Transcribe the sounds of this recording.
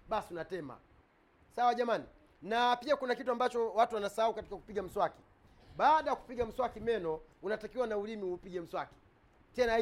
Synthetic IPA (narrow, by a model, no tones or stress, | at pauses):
ɓasiunatɛma̰ | sawaʄamani | napiakunakituambat͡ʃɔwatuwanasaaukati̥kaku̥piɡam̩swaki̥ | ɓaːɗajaku̥piɡam̩swakimɛnɔunatakiwanaulimiupiɡɛm̩swaki̥ | tɛna